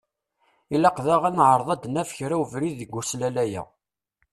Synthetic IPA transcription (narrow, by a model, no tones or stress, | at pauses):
ilɑqðæʁænʕəɾˤðˤɑd̪næfçɾæwvɾiðəɡʷːuslælæjæ̰